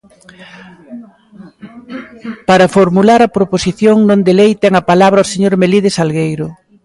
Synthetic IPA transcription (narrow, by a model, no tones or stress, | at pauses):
paɾɐfoɾmulaɾɐpɾoposiθjoŋnõnd̪elejt̪ɛŋɐpalaβɾɐoseɲoɾmeliðɪsalɣejɾʊ